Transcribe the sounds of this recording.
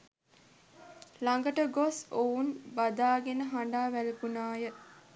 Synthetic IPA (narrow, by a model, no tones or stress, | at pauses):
laŋɡəʈəɡosounbad̪aːɡenəɦaɳɖaːʋæləkunaːjə